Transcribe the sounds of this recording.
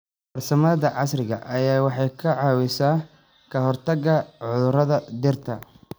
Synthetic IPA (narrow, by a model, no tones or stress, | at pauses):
bɐrsɐmɐðɐʕɑsrɪɣɐʔɐjaːwɑħɑjkʰɐʕɑːwɪsaː | kʰɐɦɔrt̪ʰɐɡɐʕʊðʊrɐðɐd̪ɪrt̪ʰɐ